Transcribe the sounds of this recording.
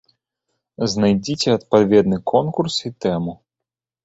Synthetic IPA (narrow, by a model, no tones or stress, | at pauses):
znajd͡zʲit͡sʲɛɐt̪pavʲɛd̪nɨkʰɔnkursit̪ɛmu